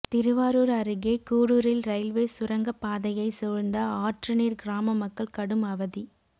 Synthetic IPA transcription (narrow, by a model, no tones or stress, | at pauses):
t̪ɪɾɯʋaːɾoːɾɐɾɯɣeːkuːɽuːɾɪlɾɐɪlʋeːsʊɾɐŋɡɐpːaːðɐjɐɪsɔːɾnd̪ɐaːʈrɯniːɾɡɪɾaːmɐmɐkːɐɭkɐɽɯmɐʋɐði